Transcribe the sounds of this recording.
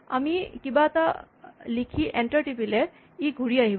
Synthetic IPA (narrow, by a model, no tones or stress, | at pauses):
a̰mikibat̪a | likʰiʔeɳʈəɾʈip̬ile | iɡʱuɽiaɦib